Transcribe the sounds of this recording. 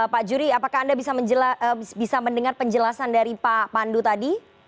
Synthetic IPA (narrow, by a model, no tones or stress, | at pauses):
əpad͡ʒuɾiapakaːndabisaməɲd͡ʒəlaəbisaməndəŋarpəɲd͡ʒəlasandaɾipapandut̪adi